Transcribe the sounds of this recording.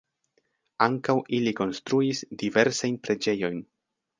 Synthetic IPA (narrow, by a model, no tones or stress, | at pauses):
aŋkawiliko̞nst̪ɾuisdive̞ɾsajnpɾe̞d͡ʒe̞jo̞jn